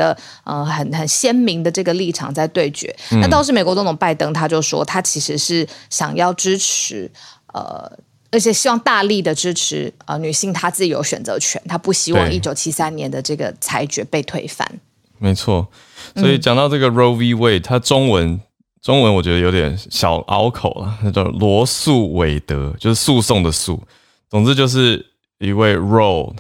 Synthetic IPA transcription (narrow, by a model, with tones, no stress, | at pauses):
ə˧ | ʔə˧xə˨˩nxə˨˩nɕjɛ˥nmi˧˥ŋd̪ə˧ʈ͡ʂɤ˥˩ɡə˩li˥˩ʈ͡ʂʰɑ̰˨˩ŋt͡sa˥˧ɪt̪we˥˩ɪt͡ɕɥɛ̰˧˥˦na˥˧t̪ɑ˥˧ʊʂɻ̩˥˩me˨˩ɪkwt͡so˧˥ŋt̪ʰo˨˩ŋpa˥ɪt̪ɤ˥ŋt̪ʰa˥t͡ɕjo˥˧ʊ˩ʂwɔ̰˥t̪ʰa˥t͡ɕʰi˧˥ʂɻ̩˧˥ʂɻ̩˥˩ɕjɑ̰˨˩ŋjɑ˥˩ʊʈ͡ʂɻ̩˥ʈ͡ʂʰɻ̩˧˥ə̰˩ | ə˞˧˥t͡ɕʰjɛ˨˩ɕi˥wɑ˥˧ŋt̪a˥˧li˥˩d̪ə˩ʈ͡ʂɻ̩˥ʈ͡ʂʰɻ̩˧˥ə̰˧ny˨˩ɕi˥˩ŋt̪ʰa˥t͡sɹ̩˥˩i˨˩jo̰˧˥ʊɕɥɛ̰˨nt͡sɤ̰˧˦˥t͡ɕʰɥɛ̰˧˥nt̪ʰa˥pu˥˩ɕi˥wɑ̰˥˧ŋi˥˩t͡ɕjo˨˩ʊt͡ɕʰi˥sa˦nnjɛ˧˥nd̪ə˨ʈ͡ʂɤ˥˩ɡə̰˩t͡sʰa˧˥ɪt͡ɕɥɛ˧˥pe˥˧ɪt̪ʰwe˥˧ɪfa̰˥˩n | me˧˥ɪt͡sʰwɔ˥˩ | swɔ˦˥i˨˩t͡ɕjɑ˨ŋt̪ɑ˥˧ʊʈ͡ʂɤ˥˩ɡə˩ɹo˥ʊvi˥we˥˩ɪt̪ʰa˥ʈ͡ʂʊ˥ŋwə˧˦n | ʈ͡ʂʊ˥ŋwə˧˦nwɔ˨˩t͡ɕɥɛ˧˥d̪ə˧jo˧˥ʊt̪jɛ˨˩nɕjɑ˨˩ʊʔɑ̰˥ʊkʰo˨˩ʊlɐ̰˨˩t̪ʰa˥t͡ɕjɑ˥˩ʊlwɔ˧˥su˥˩we˧˥ɪt̪ɤ˧˦t͡ɕjo˥˧ʊʂɻ̩˥˧su˥˧sʊ˥˩ŋd̪ə˩sṵ˥˩ | t͡sʊ˨˩ŋt͡sɹ̩˥t͡ɕjo˥˧ʊʂ̬ɻ̩˥˩ | i˧˥we˥˩ɪɹo˥˩ʊ